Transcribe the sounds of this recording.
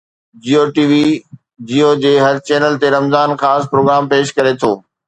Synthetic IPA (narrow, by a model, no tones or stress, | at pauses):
d͡ʑiːoːʈiːʋi | d͡ʑiːod͡ʑeːɦɐɾt͡ɕɛːnəlt̪eɾɐmzaːnxaːspɾoːɡɾaːmpeːʃkɐɾet̪ʰoː